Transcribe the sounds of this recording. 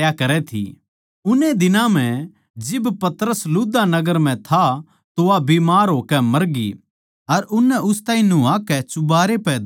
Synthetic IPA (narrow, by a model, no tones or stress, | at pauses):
jakɐɾɛt̪ʰḭ | ʊned̪ɪnãm̤ɛ̃ | d͡ʒɪbpɐt̪əɾəsluːd̪anɐɡəɾm̤ɛ̃t̪ʰa | t̪oabiːmaːɾɦoːkɛmɐɾɡḭ | ɐɾʊnːɛʔʊst̪aːɦĩnuːakɛt͡ʃʊbaːɾepɛ